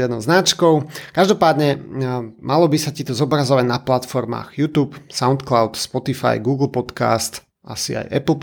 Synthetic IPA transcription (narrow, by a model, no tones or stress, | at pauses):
jɛd̪nɔʊznat͡ʃkɔʊkaʒd̪ɔpaːd̪ɲɛ | mʔalɔbisat̪it̪ɔzɔbɾazɔʋaɟnaplat̪fɔɾma̰ːɣjuːt̪uːpsaʊnt̪klaʊt̪spɔt̪ifa̰jɡuːɡl̩ˠpɔt̪ka̰ːst̪ | ʔasḭa̰jʔɛ̰pl̩ˠ